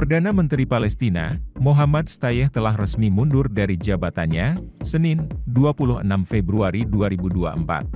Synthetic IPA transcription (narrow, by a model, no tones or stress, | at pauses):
pərdanamənt̪ɾipalɛst̪ina̰moɦamat̪̚st̪ajɛht̪əlaɦrəsmimundʊrdaɾid͡ʒabat̪anɲasənɪnduapulʊhənamfɛbɾuaɾiduaɾibudua̰ʔəmpa̰t̪̚